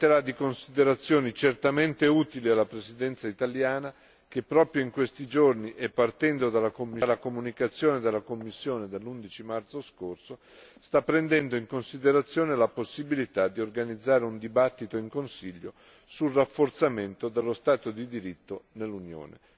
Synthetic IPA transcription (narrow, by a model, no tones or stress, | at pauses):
t̪ːeɾad̪ːikonsid̪eɾat̪sːjɔːnit͡ʃert̪ament̪euːt̪ilialːapɾesid̪ɛnt̪sait̪aljaːna | k̟epːɾɔːpɾjoiŋkwest̪id͡ʒorniʔepːart̪ɛnd̪od̪alːakomːilːakomunikat̪sːjoːned̪elːakomːisːjoːned̪elːund̪it͡ʃimart̪soskorso | st̪apːɾend̪ɛnd̪oiŋkonsid̪eɾat̪sːjoːnelaposːibilit̪ad̪ːiorɡanid̪zːaːɾeund̪ibat̪ːit̪oiŋkonsiʎːo | sulrafːort̪sament̪od̪elːost̪aːt̪od̪id̪iɾit̪ːonelːunjo̰ːnḛ